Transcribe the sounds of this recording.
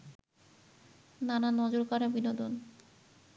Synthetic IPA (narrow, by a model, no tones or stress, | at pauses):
nananɔd͡ʑoɾkɔɾabinod̪on